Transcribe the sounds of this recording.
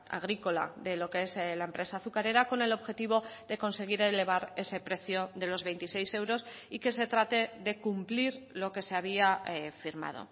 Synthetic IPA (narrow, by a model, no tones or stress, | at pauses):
a̰ɣ̞ɾiko̞la̰ðe̞lo̞kee̞slaempɾe̞saːθukaɾe̞ɾako̞ne̞lo̞βxe̞t̪iβ̞o̞ðe̞ko̞nse̞ɣ̞iɾe̞le̞β̞aɾe̞se̞pɾe̞θjo̞ðe̞lo̞zβe̞jnt̪ise̞jse̞wɾo̞sike̞se̞t̪ɾat̪e̞ðe̞kumpliɾlo̞ke̞se̞aβ̞iafiɾma̰ð̞o̞̰